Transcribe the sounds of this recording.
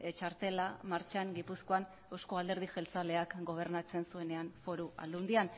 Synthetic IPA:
t͡ʃaɾt̪e̞lamaɾt͡ʃaŋɡipusko̞an | osko̞ald̪e̞ɾðiʝe̞lt͡sale̞akɡo̞β̞e̞ɾnat͡se̞nsue̞ne̞anfo̞ɾua̰ld̪und̪ian

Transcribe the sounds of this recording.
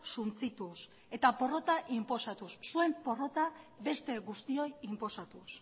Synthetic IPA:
sunt͡sit̪us | e̞t̪apo̞ro̞t̪aʔimpo̞sat̪usːue̞mpo̞ro̞t̪abe̞st̪e̞ɣust̪io̞jimpo̞sat̪us

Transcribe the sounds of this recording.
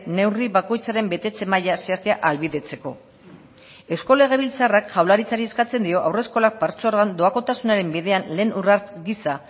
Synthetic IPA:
ne̞wriβako̞jt͡saɾe̞mbe̞t̪e̞t͡se̞majaseast̪eaʔalβiðe̞t͡se̞ko̞̰ | esko̞le̞ɣ̞e̞βilt͡sarakʝawlaɾit͡saɾie̞skat͡se̞nd̪io̞ʔawre̞sko̞lak̚paɾt͡soaɾɣand̪o̞ako̞t̪asunaɾe̞mbiðe̞anle̞ːnuraɾɡisa

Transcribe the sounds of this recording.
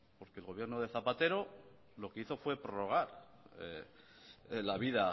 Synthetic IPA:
po̞ɾkeːlɣo̞βje̞ɾnoðe̞θapat̪e̞ɾo̞ | lo̞ke̞iθo̞fwe̞pɾoro̞ɣ̞aɾe | laβiða

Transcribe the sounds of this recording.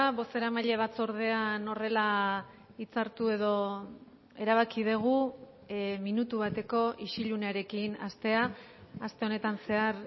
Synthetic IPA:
aβo̞st̪e̞ɾamaʎe̞β̞at͡soɾðe̞ano̞re̞la | it͡saɾt̪ue̞ðo̞ | e̞ɾaβ̞akiðeɣ̞u | minut̪uβat̪e̞ko̞ʔiʃiʎuneaɾe̞kinast̪e̞aː | st̪e̞o̞ne̞t̪anse̞aɾ

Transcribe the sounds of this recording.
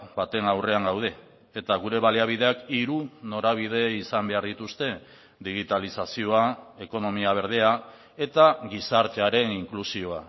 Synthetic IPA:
bat̪e̞nawre̞aŋɡawð̞e̞ | et̪aɣuɾe̞βaliaβ̞ið̞e̞akiɾuno̞ɾaβ̞ið̞e̞isambe̞aɾðit̪ust̪e̞ | d̪iɣ̞it̪alisasio̞ae̞ko̞no̞miaβ̞e̞ɾð̞e̞a | e̞t̪aɣisaɾt̪e̞aɾe̞niŋklusio̞a

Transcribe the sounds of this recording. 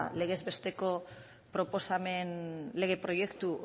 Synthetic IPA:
le̞ɣ̞e̞zβe̞st̪e̞ko̞ | pɾo̞po̞same̞nle̞ɣ̞e̞pɾo̞je̞kt̪u

